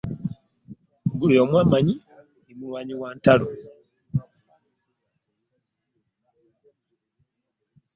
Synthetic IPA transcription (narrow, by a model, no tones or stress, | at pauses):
ɡuliomwaːmaɲi | nimulwaːɲiwaːntalo